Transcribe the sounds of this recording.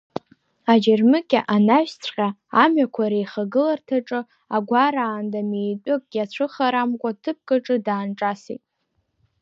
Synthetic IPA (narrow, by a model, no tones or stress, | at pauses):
ad͡ʒarmɨkʲʼaʔanaʃt͡sʷʰqʲaːmɥakʷʰaɾejχaɡɨlartʰaʈ͡ʂʼɨ | aɡʷaɾaːndamejtʷʼʊkʼɡʲat͡ɕʷʰɨχaɾamkʷʼatʰɨp̚kʼɨʈ͡ʂʼɨdaːnʈ͡ʂʼasḭtʼ